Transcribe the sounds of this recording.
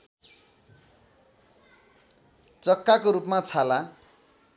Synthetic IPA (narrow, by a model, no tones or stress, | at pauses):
t͡sʌkːakoɾupmat͡sʰala